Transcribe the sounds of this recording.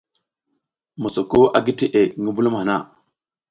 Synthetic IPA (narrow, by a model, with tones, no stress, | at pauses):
mo˨so˨ko˦ʔa˨ɡi˦ti˨ʔe˨ŋi˦bu˦lu˦m˨ha˨na̰˦˨